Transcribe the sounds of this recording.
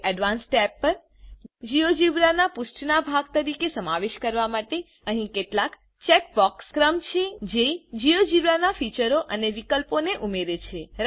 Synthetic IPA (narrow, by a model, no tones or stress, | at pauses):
ɛɖʋansʈɛpːəɾ | d͡ʒijod͡ʒiʋɾanapusʈʰnabʱaɡ̚t̪əɾikesəmaʋeʃkəɾʋamaʈe | əɦĩkeʈlak | t͡ʃɛk̚bɔkskɾəmt͡ʃʰed͡ʒed͡ʒiod͡ʒiʋɾanafit͡ʃəɾoʔəneʋikəlponeʔumeɾet͡ʃʰeɾ